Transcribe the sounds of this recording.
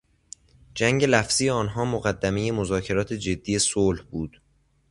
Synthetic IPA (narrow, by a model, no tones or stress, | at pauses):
d͡ʒæŋɟe̞læfz̥ijeɒːnɦɒːmoɣæd̪ːæme̞je̞mozɒːcʰe̞ɾɒːt̪ʰe̞d͡ʒe̞d̪ːije̞solhbuːd̪̥